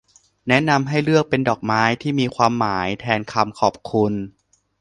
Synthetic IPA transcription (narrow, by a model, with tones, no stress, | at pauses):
nɛ˦˥ʔna˧mɦa˥˩jɾɯ˥˩ək̚pe˧ndɔː˨˩k̚maː˦˥jt̪ʰiː˥˩miː˧kʰwaː˧mːaː˩˦jt̪ʰɛː˧nkʰa˧mkʰɔː˨˩p̚kʰu˧n